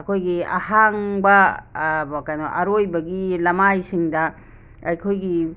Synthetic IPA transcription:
ɐkʰojɡia̰haŋbɐbɐkajnoʔɐɾojbɐɡilɐmajsiŋdɐ | ɐjkʰojɡi

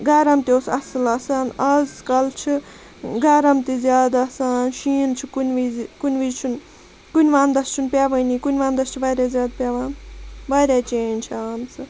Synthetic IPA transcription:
ɡɐɾɐmt̪ʲoːsɐsɨlɐsaːnɐzskɐlt͡ʃʰi | ɡɐɾɐmt̪izʲjaːd̪asaːnʃiːnt͡ʃʰikunʲʋizkunʲʋizt͡ʃʰun | kunʲʋaːnd̪ɐst͡ʃʰunpʲjaʋɐnʲikunʲʋaːnd̪ɐst͡ʃʰibaːɾʲjaːzjaːd̪̚pʲjaːʋaːnbaːɾʲjat͡ʃeːnʲt͡ʃʰiaːmsʰɨ

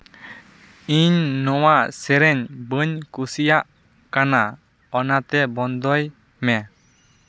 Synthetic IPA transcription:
iɲnɔwaʔsɛɾɛɲbəɲkusijaʔ | kana | ɔnat̪ɛbɔnd̪ɔj | mɛ

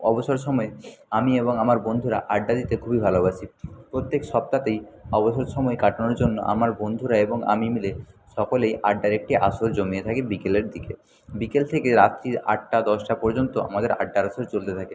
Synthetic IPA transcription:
ɔboʃoɾʃɔmɔeamieβoŋamaɾbond̪ʱuɾa̰ʔaɖːad̪it̪ekʰubibʱalobat͡ɕʰipɾot̪ːekʃɔp̚t̪at̪ejɔboʃoɾʃɔmɔekaʈonoɾd͡ʑonːo̰ʔa̰maɾbond̪ʱuɾaeboŋa̰mimileʃɔkolejʔaɖːaɾek̚ʈiʔaʃoɾd͡ʑomiet̪ʰakebikeleɾd̪ike | bikelt̪ʰekeɾat̪ːɾia̰ʈ̚ʈad̪ɔʃʈapɔɾd͡ʑont̪oʔa̰mad̪eɾa̰ɖːaɾaʃoɾt͡ɕolt̪et̪ʰake

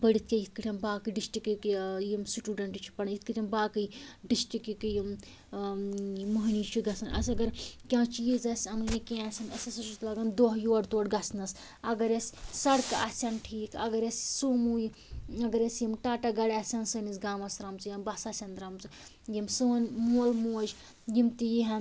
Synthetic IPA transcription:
pəɽit̪̚ʰkʲejit̪̚kɨʈʰʲɐmbaːkɨɖisʈikikijimsʈuːɖɐɳʈit͡ʃʰi̥pɐɳjit̪̚kɨʈʰimbaːkɨɖisʈɾikikijim | imɐɦnit͡ʃʰiɡɐsɐnɐ̰sʲɐɡɐɾkʲãːt͡ʃiːzɐsʲɐmɨnikʲẽːasʲɐnɐsɐsɐsut̪ʰlaɡɐnd̪oɦjoːɽt̪oːɽɡɐsnɐs | ɐɡɐɾesʲsɐɽkɐ̰sʲɐnʈʰiːkɐ̰ɡɐɾesʲsuːmuːji | ɐɡɐɾesjimʈaːʈaɡɐɽʲɐsʲɐnsɐnisɡaːmɐsɾamt͡sɨjɐmbɐsɐːsʲɐnd̪ɾaːmt͡sɨ | jimsɨːnmuːlmuːd͡ʒ | jimt̪ijiɦɐ

